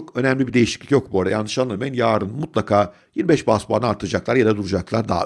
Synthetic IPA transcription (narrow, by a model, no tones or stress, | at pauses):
okø̞næmlʲibid̪e̞jiʃi̥clʲi̥cʲjo̞k̚buɾajanˠɯʃanˠemɛnjaːɾɯnmut̪lˠakʰaː | jinbɛʃbaspaːnɯaɾt̪ʰɯɯd͡ʒaklˠaɾjad̪ad̪uɾud͡ʒaklˠaɾd̪a̰ː